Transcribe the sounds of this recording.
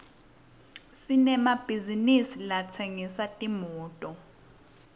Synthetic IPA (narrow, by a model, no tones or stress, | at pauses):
sinɛmab̥ʱizinisilat͡sʰeŋisatʼimɔːtʼɔ